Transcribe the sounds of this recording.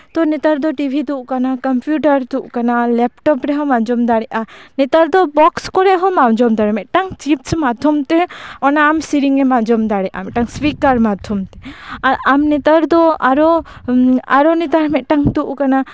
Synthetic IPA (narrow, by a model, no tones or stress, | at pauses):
t̪ɔnɛt̪aɾd̪ɔʈibʱid̪uʔkanakɐmpjuʈaɾd̪uʔkanalɛpʈɔpɾɛɦɔ̃mand͡ʒɔmd̪aɽɛʔanɛt̪aɾd̪ɔbɔkskɔɾɛɦɔ̃mãwd͡ʒɔmd̪aɽɛmɛʔʈaŋt͡ʃipsmad̪ʱɔmt̪ɛɔnaːmsiɾiŋɛmad͡ʒɔmd̪aɽɛʔa̰mɛʔʈaŋswikaɾmad̪ʱɔmt̪ɛaɾamnɛt̪aɾd̪ɔa̰ɾɔ | a̰ɾɔnɛt̪aɾmɛʔʈaŋd̪uʔkana